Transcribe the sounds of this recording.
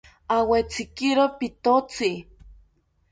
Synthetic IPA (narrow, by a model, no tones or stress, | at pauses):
awet͡sikiɾopit̪ot͡si